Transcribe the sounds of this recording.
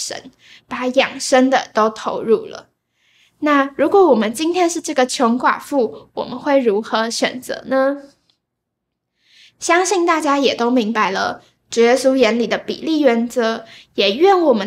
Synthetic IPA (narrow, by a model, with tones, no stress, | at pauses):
ʂə̰˧˥n | pa˧˥jɑ˨˩ŋʂə˥ŋd̪ə˨t̪o˥ʊt̪ʰo˧˥ʊɻu˥˩lə̰˩ | na˥˩ɻu˧˥kwɔ˧˥˦wɔ˨˩mə˦nt͡ɕi˥nt̪ʰjɛ˥nʂɻ̩˥˧ʈ͡ʂɤ˥˩ɡə˩t͡ɕʰjʊ˧˥ŋkwa̰˨˩fu˥˩wɔ̰˨˩mə˦nxwe˥˩ɪɻu˧˥xɤ˧˥ɕɥɛ̰˨˩nt͡sɤ̰˧˥nə˧ | ɕjɑ˥ŋɕi˥˧ŋt̪a˥˩t͡ɕja˥jɛ˨˩t̪o˥ʊmi˧˥ŋpa˧˥ɪlə̰˧ | ʈ͡ʂu˨˩jɛ˥su˥jɛ˧˥nli˨˩d̪ə˦pḭ˨˩li˥˩ɥɛ˧˥nt͡sɤ˧˥jɛ˨˩ɥɛ˥˩nwɔ˨˩mə˦